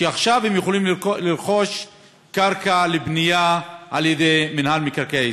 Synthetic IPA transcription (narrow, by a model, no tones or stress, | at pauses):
ʃeaχʃavhemjuχolimliɾχo̞ʃ | kaʁkalebnijaʔaljedejminhalmikaʁkae